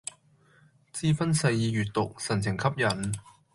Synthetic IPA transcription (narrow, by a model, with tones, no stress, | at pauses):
t͡siː˧fɐ˥nsɐ˧jːiː˨˧ɥyː˨˩t̚t̪ʊ˨k̚sɐ˨˩nt͡sʰɪ˨˩ŋkʰɐ˥p̚jɐ˨˩n